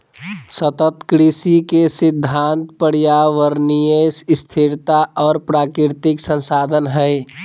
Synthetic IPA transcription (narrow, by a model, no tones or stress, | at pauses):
sət̪ət̪kɾisikesɪd̪ʱːaːnt̪pəɽijaʋəɾnijəsst̪ʰiɾt̪aʔɔːɾpɾaːkɾɪɾt̪ɪksə̃nsaːd̪ʱənɦə